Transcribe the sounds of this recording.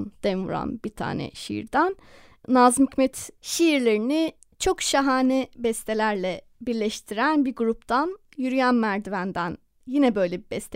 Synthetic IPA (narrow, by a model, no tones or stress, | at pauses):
nd̪̥ɛnvṵɾa̰nbit̪ʰa̰ːnɛ̰ʃḭḭɾd̪ænː | azmycmɛt̪ʃiːɾlʲeɾini | t͡ʃʰo̞kʃaɦaːnɛbɛst̪ʰelʲæɾlʲɛ | biɾlʲɛʃt̪ʰiɾænbiɾɡuɾup̚t̪ʰan | jyɾyjænmæɾd̪ivænd̪æn | jinɛbø̞jlʲɛbibɛst̪ʰ